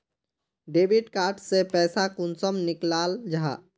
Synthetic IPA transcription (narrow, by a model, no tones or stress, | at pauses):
ɖebʱiɖkaɾʈsepɛːsakunsəmniklald͡ʒa̰